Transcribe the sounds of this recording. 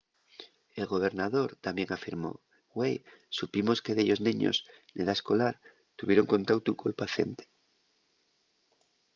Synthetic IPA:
e̞lɣo̞β̞e̞ɾnaðo̞ɾt̪amje̞ŋafiɾmo̞̰ | wejsupimo̞ske̞ðeʎo̞zniɲo̰zneðaesko̞laɾ | t̪uβje̞ɾo̞ŋko̞nt̪awt̪ukolpaθje̞̰nt̪e̥

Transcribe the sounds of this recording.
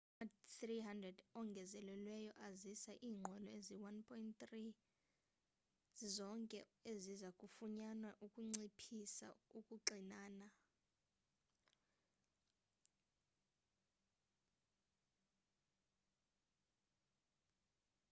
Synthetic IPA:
aθriɦandrɛdɔŋɡʱɛzɛlɛlwɛjɔʔazisaʔiːŋ͡ǃʱɔlɔeziwanpʰɔint̪ri | zɔŋkʼɛezizakʼufuɲanaʔukʼuŋ͡ǀipʰisa̰ukʼuǃinaːna

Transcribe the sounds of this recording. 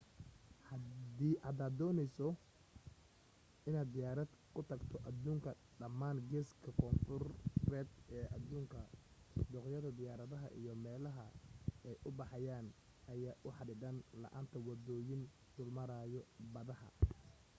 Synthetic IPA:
hɐd̪iːʔad̪aːd̪ːɔːnɛjsɔ | ɪnaːd̪d̪ɪjaːɾɐd̪kʰʊt̪ʰɐɡt̪ʰɔʔɐðuːŋkʰɐ | ɖɐmːaːnɡɛːskʰɐkʰɔːnfʊrrɛːd̪ɛːʔɐðuːŋkʰɐ | d̪ɔqjɐðɐd̪ɪjaːɾɐðɐɦɐ̰ʔḭjɔmɛːlɐɦɐɛjʔʊbɑħɑjaːn | ɐjaːʔʊħɑɖɪɖɐnlɐ̰ʔa̰ːnt̪ʰɐwɐðɔːjɪn | d̪̥ʊlmɐɾaːjɔbɐðɐhɐ̰

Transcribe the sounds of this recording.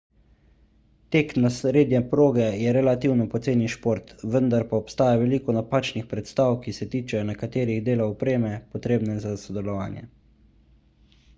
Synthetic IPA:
t̪eːknasɾeːd̪jɛpɾoːɡɛjɛɾɛlat̪iwnɔpɔt̪seːniʃpoːɾt̪ʋənd̪aɾpaɔpst̪aːjaʋɛliːkɔnapaːt͡ʃnixpɾɛt̪st̪aːwkisɛt̪iːt͡ʃɛjɔnɛkat̪eːɾiɣd̪eːlaɔpɾeːmɛpɔt̪ɾeːbnɛzasɔd̪ɛlɔʋaːnjɛ̰

